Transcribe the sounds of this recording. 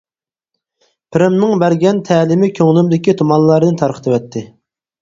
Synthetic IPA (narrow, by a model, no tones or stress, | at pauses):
pʰɪɾɪmnɨŋbæɾɡʲɛnt̪ʰɛːlɪmɪkʲʰøŋlɪmd̪ɪkʲit̪ʰomɑnlˠɑɾd̪ɨnt̪ʰɑɾqʰə̥t̪ʰɨwɛt̪ʰːɪ